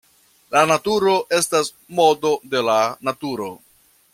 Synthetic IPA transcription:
lanatuɾo̞ʔe̞stas | mo̞do̞de̞lanatuɾo̞

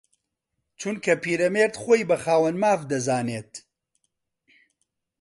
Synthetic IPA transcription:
t͡ʃʰunkʰɐpiːɾɐmeːɾt̪xoːjbɐxaːwɐnmaːvd̪ɐzaːneːt̪

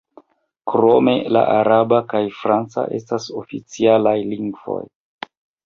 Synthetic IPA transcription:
kɾo̞me̞la̰ʔaɾabakajfɾant͡sa̰ʔe̞̰stasofit͡sialajliŋɡvo̞̰j

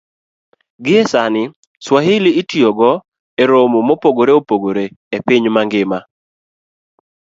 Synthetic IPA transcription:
ɡɪɛsanɪ | swaɦɪlɪːtjoɡɔ | eɾomomopoɡoɾeopoɡoɾeepɪɲmaŋɡɪma

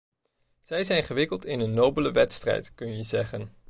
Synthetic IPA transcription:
z̥ɛjzɛjnχəʋɪkəlˠtɪnənːowbələʋɛtstrɛ̰jtkɵnjəzɛχən

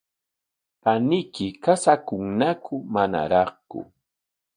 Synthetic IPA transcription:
panɪkɪkasakʊŋnakʰʊmana̰ɾɑχkʊ̰

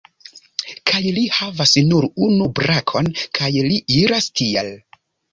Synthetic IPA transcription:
kʰajlihavasnuɾunubɾakʰo̞nkʰajliʔiɾastiel

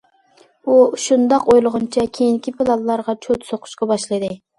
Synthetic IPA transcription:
uʃund̪ɑqojlˠəʁʊnt͡ʃʰɛkʲʰejiŋkʲʰipʰɨlˠɑlˠːɑɾʁɑt͡ʃʰot̪soqʰʊ̥ʃqɑbɑʃlˠɨd̪ɨ

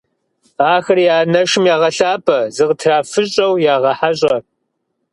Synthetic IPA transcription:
aːxɐrjaːnɐʃɪmjaːʁɐɬaːpʰʼɐzɨʁtʰraːfɨɕʼɐwjaːʁɐħaɕ̬ʼɐ

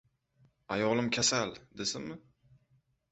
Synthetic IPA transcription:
ajɒlˠɪmkʲʰasald̪esɪnmɪ

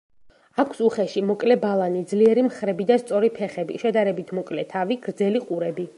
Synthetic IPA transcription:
akʷʰsuχɛʃimɔkʼlɛbalˠanid̪zliɛɾimχɾɛbid̪ast̪sʼɔɾipʰɛχɛbḭʃɛd̪aɾɛbit̪ʰmɔkʼlɛt̪ʰaviɡ̥ɾd̪zɛliqʼuɾɛbi

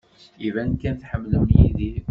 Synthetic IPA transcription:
ivænkːænθħəmːluwnjḭði

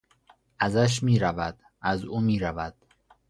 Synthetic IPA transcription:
ʔæzæʃ̬miːɾævæd̪̥ | ʔæzuːmiːɾævæd̪̥

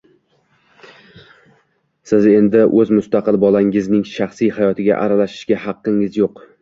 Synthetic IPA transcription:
sɪze̞nd̪ɪʔɵzmʊst̪ɑqɨlbɒlaŋɪznɪŋʃɑχsijhajɒt̪ʰɪɡʲa̰ʔaɾalaʃɪ̥ʃɡʲahɑqːɪŋɪzjoq

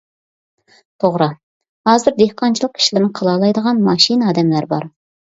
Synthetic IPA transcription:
t̪ʰoʁɾɨ | hɑːzɨɾd̪ehqʰɑnt͡ʃʰilˠəq̚kʰʲi̥ʃilɪɾnɪqʰəlˠɑlˠɑjd̪əʁɑnmɑʃinɑːd̪ɛmlæɾbɑɾ

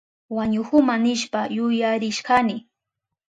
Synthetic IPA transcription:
waɲʊxʊmanɪʃpajʊjaɾɪʃɢanɪ

